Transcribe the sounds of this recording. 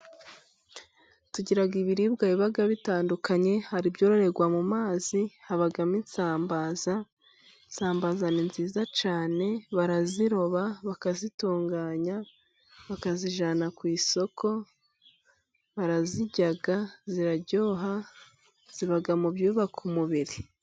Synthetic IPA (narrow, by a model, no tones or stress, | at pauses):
tuɟiɾaɡiβiɾiːbɡaiβaɡaβitaːndukaɲe̞haɾibɟo̞ːɾo̞ɾe̞ɡwamumaːzihaβaɡaminsaːmbaːza | saːmbaːzaninziːzat͡ʃaːne̞βaɾaziɾo̞βaβakazituːŋɡaːɲa | βakaziʒanakwiːso̞kʰo̞ | βaɾaziɟaɡaziɾaɟo̞ːɦa | z̥iβaɡamubjuːβakʰumuβiɾi